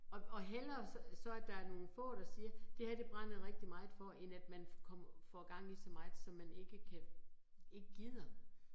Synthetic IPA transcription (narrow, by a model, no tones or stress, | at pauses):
ɒ̽ɒ̽ɦel̰ɐssɒ̽æɐd̥ɑ̈æɐno̝ːn̩fɔ̰̽ːɾ̥ɑ̈siːɐd̥e̝hæd̥e̝b̥ʁɑn̰ð̩ˠʁeɡ̥̚d̥imɑ̈ɪð̩ˠfɒ̽ʔenæd̥mænkʰɒ̽m̰ɐfɒɡ̥ɑ̈ŋ̰isɒ̽mɑ̈ɪð̩ˠsɒ̽mːæne̝ɡ̥əkʰæ | e̝ɡ̥əɡ̥ið̰ˠɐ